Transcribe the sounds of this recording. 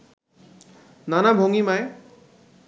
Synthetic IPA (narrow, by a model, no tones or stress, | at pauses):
nanabʱoŋimaj